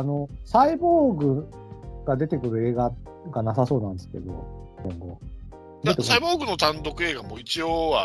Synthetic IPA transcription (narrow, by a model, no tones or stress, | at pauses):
ano̞saiboːɡɯ̟ | ɡ̥ad̪e̞t̪e̞kɯ̟ɾɯ̟e̞ːɡa | ɡanasaso̞ːnãnd̪eske̞̰d̪o̞̰ | ɡẽŋɡo̞̰ | d̪eeksaiboːɡɯ̟no̞t̪ãnt̪o̞kɯ̟e̞ːɡamoːit͡ɕioβa